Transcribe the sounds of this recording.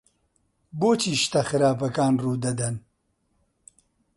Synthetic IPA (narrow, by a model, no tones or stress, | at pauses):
boːt͡ʃiːʃt̪ɐxɨɾaːpɐkaːnruːd̪ɐd̪ɐn